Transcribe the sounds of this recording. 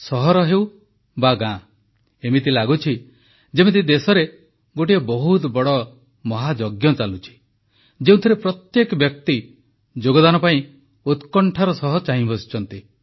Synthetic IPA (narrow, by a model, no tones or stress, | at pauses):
sɔɦɔɾɔɦew | baɡã | emit̪ilaɡut͡ʃʰi | d͡ʒemit̪̬id̪esɔɾe | ɡoʈ̬iebɔɦut̪bɔɽɔ | mɔɦad͡ʒɔɡjɔt͡ʃalut͡ʃʰi̥ | d͡ʒeũt̪ʰiɾepɾɔt̪jekɔbjɔk̚t̪i | d͡ʒoɡɔd̪anɔpaĩ | ut̪kɔɳʈʰaɾɔsɔɦɔt͡ʃaɦĩbʱɔsi̥t͡ʃʰɔnt̪i